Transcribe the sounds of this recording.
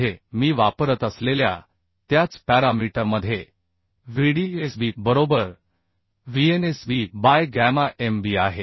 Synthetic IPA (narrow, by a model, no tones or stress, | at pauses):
emiːʋapəɾət̪əslelja̰ | t̪jat͡spæɾamiʈəɾməd̪ʱːje | ʋiɽiesbiːbəɾobəɾ | ʋienesbibajɡæmaʔembiːaɦe